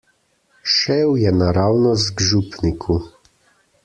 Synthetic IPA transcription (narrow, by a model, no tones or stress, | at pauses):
ʃɛwjɛnaɾawnɔzɡʒupnikʰu